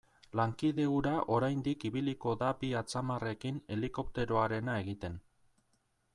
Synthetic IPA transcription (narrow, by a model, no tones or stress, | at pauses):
laŋkiðe̞uɾaʔo̞ɾajnd̪ikiβiliko̞ðabiat͡samare̞kine̞liko̞p̚t̪e̞ɾo̞aɾe̞nae̞ɣit̪e̞n